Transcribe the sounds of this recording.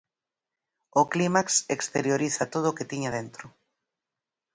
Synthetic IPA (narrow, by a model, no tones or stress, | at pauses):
oklimaksekst̪eɾjoɾiθat̪oðoːket̪iɲaðent̪ɾʊ